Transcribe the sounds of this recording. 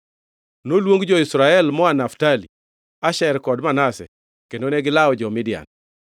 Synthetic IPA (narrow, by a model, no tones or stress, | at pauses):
nolwoŋɡd͡ʒɔisɾaɛlmɔanaftali | aʃɛɾkɔdmanasɛ̰ | kendoneɡɪlaɔd͡ʒɔmɪdɪja̰n